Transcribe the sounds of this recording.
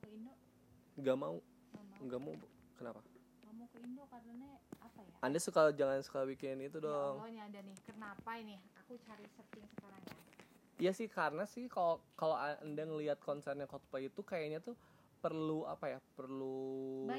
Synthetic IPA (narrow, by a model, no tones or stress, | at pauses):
kəindo | ŋɡamau | aŋɡamau | kənapa | ɡamokəindokarnanaapajaandasukalad͡ʒaŋansə̥kalabikɪnit̪udɔŋoɲaːdanɪhkənapainɪhakut͡ʃaɾisət̪ɪŋsəkaɾaŋɲa | jasɪhkaɾənasɪhkalokaloaandaŋəliat̪̚kɔnsɛrɲakɔt̪̚pait̪ukajaɲat̪u | pərluapajapərlu